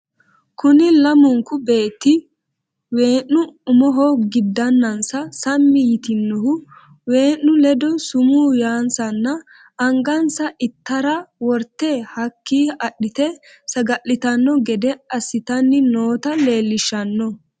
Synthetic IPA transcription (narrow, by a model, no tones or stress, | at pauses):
kʊnɪlɐmʊŋkʊbe̞ːt̪ːɪ | we̞ːnːʊʊmɔɦoːɡɪd̪ːɐnːɐnsɐsɐmːɪjɪt̪ɪnːɔhʊ | we̞ːnːʊlɛd̪ɔsʊmuːjaːnsɐnːɐ | ɐŋɡɐnsɐʔɪt̪ːɐɾɐwɔɾt̪ːehɐkːiːɐɗːɪt̪ɛ | sɐɡɐʔːɪt̪ɐnːɔɡɛd̪ɛɐsːɪt̪ɐnːɪnoːt̪ɐle̞ːlːɪʃːɐnːɔ